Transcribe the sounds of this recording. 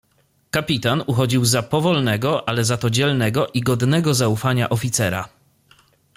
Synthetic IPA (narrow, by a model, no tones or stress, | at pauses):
kapʲit̪anuxɔd͡ʑiwzapɔvɔlnɛɡɔʔalɛzat̪ɔd͡ʑɛlnɛɡɔʔiɡɔd̪nɛɡɔzaufaɲa̰ʔɔfʲit̪sɛɾa̰